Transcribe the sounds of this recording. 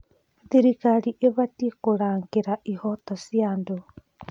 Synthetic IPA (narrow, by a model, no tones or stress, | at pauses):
ðiɾikaɾiʔeβatikoɾaːŋɡeɾaʔihotasjaːndo